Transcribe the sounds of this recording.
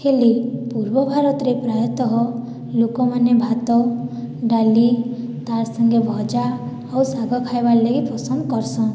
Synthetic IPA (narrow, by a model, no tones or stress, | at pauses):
helipuɾbɔbʱaɾɔt̪ɔɾepɾajɔt̪ɔɦɔ | lokɔmanebʱat̪ɔ | ɖalit̪aɾsɔŋɡebʱɔd͡ʒa | ɔwsaɡʱɔkʰajbaɾleɡipɔsɔnd̪kɔɾsɔ̃